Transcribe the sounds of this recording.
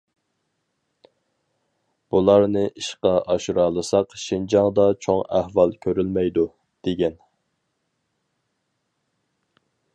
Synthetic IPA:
b̥ulˠɑɾnɨʔiʃqɑʔɑʃuɾɑːlˠɨsɑqʃind͡ʒɑŋd̪ɑt͡ʃʰoŋæhvɑlˠkʲʰøɾylmɛjd̪u | d̪̥eɡʲɛn

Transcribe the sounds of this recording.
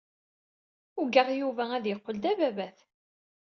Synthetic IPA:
ʊɡəʁjuvææðjəqːəld̪ævævæθ

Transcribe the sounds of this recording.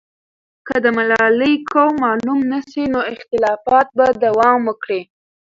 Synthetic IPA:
kəd̪əmalɑləjkowmɑlumnəsinoɪxt̪ɪlɑfɑt̪̚bad̪awɑmwəkɽi

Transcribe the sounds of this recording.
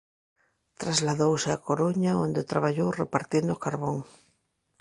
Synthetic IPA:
t̪ɾazlaðowseakoɾuɲaond̪et̪ɾaβaʎowrepaɾt̪jend̪ʊkaɾβoŋ

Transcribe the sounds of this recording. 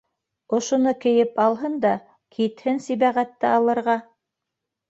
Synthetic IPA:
ŏʃŏnɤkɘ̆jɘpɑlˠɦɤnd̪ɑ | kʰit̪hɘnsiβæʁæt̪ːɘɑlˠɤ̆ɾʁɑ

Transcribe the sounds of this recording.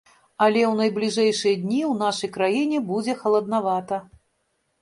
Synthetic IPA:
ɐlʲɛwnɐjblʲiʐɛjʂɨjɐd̪ʲnʲiwnaʂɐjkɾajinʲɛbud͡zʲɛxɐlˠɐd̪̚navat̪ɐ

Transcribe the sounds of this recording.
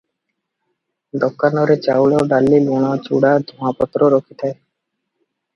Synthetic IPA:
d̪ɔkːanɔɾet͡ɕawloɖalːilunat͡ʃṵɽad̪ʱɔmapɔt̪ːɾoɾokʰit̪ʰae

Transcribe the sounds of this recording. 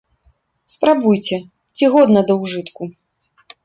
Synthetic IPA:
spɾabujt͡sʲɛ | t͡sʲiɣɔd̪nɐd̪ɐwʐɨt̪ku

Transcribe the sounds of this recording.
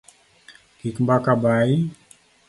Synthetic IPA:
kikmbakabai

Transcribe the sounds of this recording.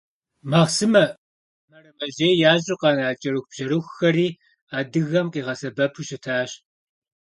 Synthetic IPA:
maːʁsɨmɐ | mɐrɐmɐʑeːjaːʑʼʊqʼɑːnaːt͡ʃʼɐɾɨxʷb̥ʒɐɾɨxʷːɐɾiː | aːdɨɣɐmqʼiːʁɐsɐbɐpʰuɕɪtʰaːɕ

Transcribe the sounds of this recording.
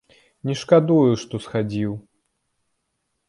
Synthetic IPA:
nʲɛʂkad̪ujuʂt̪ɔsxad͡zʲiw

